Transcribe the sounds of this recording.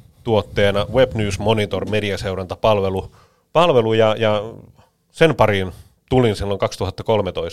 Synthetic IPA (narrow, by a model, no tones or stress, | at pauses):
t̪uot̪ːeːnɑʋeb̥nyːsmonit̪ormeliæseurɑnt̪ɑpɑlʋelu | pɑlʋelujɑjɑ | senpɑɾin | t̪ulinsilːoŋkɑkst̪uɦɑt̪ːɑko̞lmet̪ois